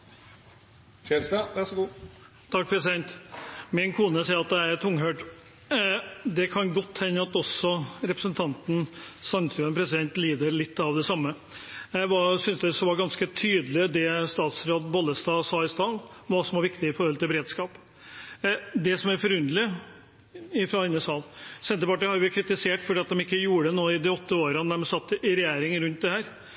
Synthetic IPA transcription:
ɛsɑʋæʂɔɡuː | t̪ʰɑk̚pʰɾɛsɪd̪ɛnt̪mɪnkʰuːnəsɛɪɾɑt̪̚d̪ɛæɾt̪ʰʊŋːɦøːɖ | d̪ɛkʰɑnɡɔt̪ʰːhɛnːəɑt̪ɔsːɔɾɛpɾəsənt̪ʰɑnt̪n̩sɑnt̪ʰɾʉːənpʰɾɛsɪd̪ɛnt̪liːd̪əɾlɪt̪ːɑʋd̪ɛsɑmːə | jæʋɑsʏnsd̪ɛsɔʋɑɾɡɑnskət̪ʰyːd̪əlɪd̪ɛst̪ɑːt̪sɾoːd̪bɔlːəst̪ɑːsɑːɪst̪ɑːlʋɑɾsɔmʋɑɾʋɪkt̪ɪɪfɔɾhɔlt̪ʰɪlbəɾeːd̪skɑːp | d̪ɛsɔmæɾfɔɾʉnd̪əlɪ | ɪfɾɑɛɪnːəsɑːlsɛnt̪əpɑʈːɪhɑɾjʊʋɪkʰɾɪt̪ɪseːʈfɔɖiːɑt̪̚d̪ɛmɪkːəjuːɾəɖ̪ɛnoːɪd̪ɪɔt̪ʰːəoːɾəənæɾɔmsɑt̪ːɪɾɛjeːɾɪŋɾʉnt̪̚d̪ɛhæːɾ

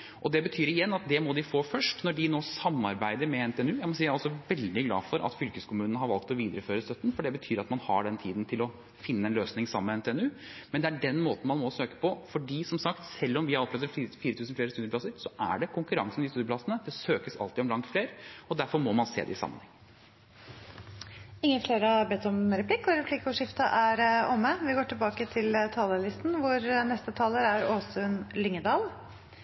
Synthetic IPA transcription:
ʔɔd̪ɛbət̪ʰyːɾɪjɛnːɑt̪̚d̪ɛmɔd̪ɪfoːfœʂʈnɔɖɪnoːsɑmːɑɾbæɪd̪əɾmɛɛnt̪ɛːɛnʉːjæɪmɔsiːjæɾɔlsɔʋɛld̪ɪɡlɑ̰ːfɔɾʔɑ̰t̪fʏlkəskʰʊmʉːnənəɦɑɾʋɑlk̚t̪ɔʋiːd̪əɾəføːɾəst̪œt̪ːnfɔɖɛbət̪ʰyːɾɑt̪mɑnhɑ̰ɖɛnt̪ʰiːd̪nt̪ʰɪlɔ | fɪnːəɛnløːsnɪŋsɑməːmɛnt̪ʰɛːɛnʉː | mɛnd̪ɛæɖɛnmoːt̪n̩mɑnmɔsøːkə̥pʰɔfɔɖiːsɔmsɑkt̪sɛlːɔmʋɪhɑɾɔplœɛt̪əifiːɾət̪ʰʉːsnfleːɾst̪ʉːd̪əpʰlɑsəɾsɔʔæ̰ɖɛkʰʊŋkʉɾɑ̰ŋsnɪst̪ʉːd̪əpʰlɑsənəd̪ɛsøːkəsɑ̰lt̪ɪɔmlɑŋt̪fleːɾɔd̪æɾfɔɾmɔmɑnsḛːd̪ɛ̰ɪsɑ̰mːənhɛ̰ŋ | ɪŋːəfleːɾəbeːt̪ɔmɾɛpʰlɪkːɔɾɛpʰlɪkʊʂɪft̪ɑʔæɾɔmːəʋɪɡoːʈʰɪlbɑːkət̪ʰɪlt̪ʰɑːləlɪst̪nʋʊɾnɛst̪ət̪ʰɑːləɾæɾoːsʉnlʏŋːəd̪ɑːl

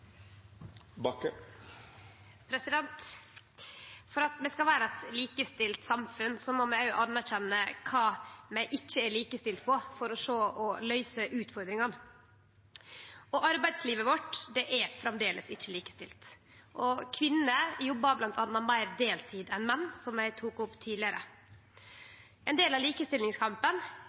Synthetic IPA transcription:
bɑkə | pʰɾɛsɪd̪ɛnt̪ | fɔɾɑt̪d̪ɛskɑlʋæːɾəɛt̪liːkəst̪ɪlt̪sɑmfʉnsɔmɔmæɪʊʔɑnːæɾɕɛnːəkʰɑːmæɪʔɪçːəæɾɭiːkəst̪ɪlt̪̚pʰɔfɔɾɔʂoːʔɔlœʏsəʔʉːt̪fɔɾd̪ɾɪŋɑn | ɔʔɑɾbæɪd̪sliːʋəʋɔʈd̪ɛʔæɾfɾɛmd̪eːlʔəsɪçːəliːkə̥st̪ɪlt̪ | ʔɔkʰʋɪnːəjɔbːɑblɑnt̪ʰɑnːɑmæɪɾd̪eːlt̪ʰiːd̪ɛnmɛnːsɔmjæɪt̪ʰuːkʊpːt̪ʰiːd̪lɪəɾə̰ | ʔɛnd̪eːlɑliːkəst̪ɪlnɪŋskʰɑmpən

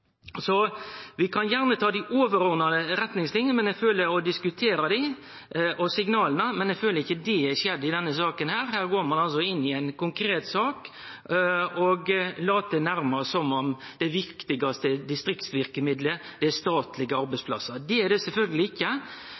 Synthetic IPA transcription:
sɔʋɪkʰɑnjæʁnət̪ʰɑːd̪ɪʔoːʋəɾɔʁnɑd̪əɾɛt̪nɪŋslɪŋːənmɛnɛɡføːləɔd̪ɪskʉt̪ʰeːɾɑd̪ɪ | ʔɔsɪŋnɑːlənəmɛnɛɡføːləɾɪçːəd̪ɛæʂjɛd̪ːɪd̪ɛnːəsɑːkənhæːɾhæːɾɡoːɾmɑnɑls̬ɔɪnːɪɛɪnkʊŋkʰɾeːt̪sɑːk | ɔɡlɑːt̪̚d̪ɛnæɾmɑsɔmɔmd̪̥ɛʋɪkt̪ɪɡɑst̪əd̪ɪst̪ɾɪkt̪sʋɪɾkəmɪd̪lə | d̪ɛæst̪ɑːt̪lɪɡəɑɾbæɪspʰlɑ̰sɑd̪ɛæɾdɛsɛlfœlɡəlɪɪçːə

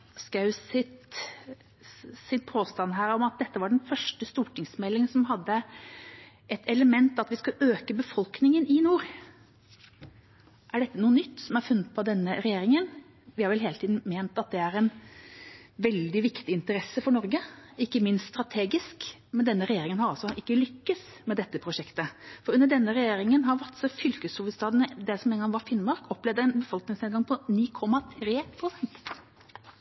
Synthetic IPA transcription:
skɑʉsɪt̪ | sɪnpʰoːst̪ɑnːɦæːɾɔmɑt̪̚d̪ɛt̪ːəʋɑɖɛnfœʂʈəst̪uːʈʰɪŋsmɛlːɪŋsɔmɦɑd̪ːə | ʔɛt̪ʰɛləmɛnt̪ɑt̪ʋɪskɑøːkəbəfɔlknɪŋənɪnuːɾ | ʔæɖɛt̪ːənuːənʏt̪ːsɔmæɾfʉnːət̪̚pʰɔd̪ɛnːəɾɛjeːɾɪŋən | ʋɪhɑɾʋɛlɦeːlət̪ʰiːd̪n̩meːnt̪ɑt̪̚d̪ɛæɾɛn | ʋɛld̪ɪʋɪkt̪ɪɪnt̪əɾɛsːəfɔɳɔɾɡəɪkːəmɪnst̪st̪ɾɑt̪ʰeːɡɪsk | mɛnd̪ɛnːəɾɛjeːɾɪŋənhɑɾɑlsɔʔɪkːəlʏkːəs | mɛd̪ɛt̪ːəpʰɾʊʂɛkt̪əfɔɾʉnːəɖɛnːəɾɛjeːɾɪŋənɦɑɾʋæʈ̪sɔfʏlkəshuːʋəst̪ɑːd̪nəd̪ɛsɔmeːnɡɑŋʋɑɾfɪnmɑɾkʰɔpːlɛʋd̪əæɛnbəfɔlknɪŋsneːd̪ɡɑŋpʰɔniːkʰɔmːɑt̪ʰɾeːpʰɾʊsɛnt̪

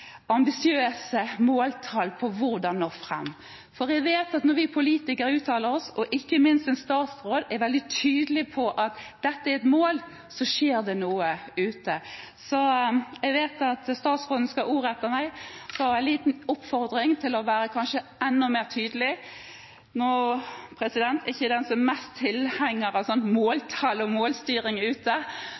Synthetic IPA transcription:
ɑmbɪsɪøːsəmoːlt̪ʰɑlpʰɔʋʊɾd̪ɑnːoːfʁɛ̰mː | fɔɾɛɡʋeːt̪ɑt̪nɔɾʋɪpʰʊliːt̪ɪkəɾʉːt̪ʰːɑːləɾɔsɔʔɪkːəmɪnst̪ɛnst̪ɑːt̪sɾoːd̪ɛɾʋɛld̪ɪt̪ʰyːd̪əlɪpʰɔʔɑt̪d̪̥ɛt̪ːəɛɛt̪moːl | sɔʃeːʁd̪ɛnuːəʉːt̪ə | sɔɛɡʋeːt̪ɑt̪st̪ɑːt̪sʁoːd̪n̩əskɑʔuːʁɛt̪ːəmæɪsɔɑæɪnliːt̪nʊpfɔʁd̪ɾɪŋt̪ʰɪlɔʋæːɾəkʰɑnʃəɛnːʊmeːʁt̪ʰyːd̪əlɪ | noːpʰɾɛsɪd̪ɛnt̪ʰɛɪçːəd̪ɛnsɔmmɛstt̪ʰɪlhæŋːəɾɑsɔnmoːlt̪ʰɑlɔmoːlst̪yːɾɪŋʉːt̪ə

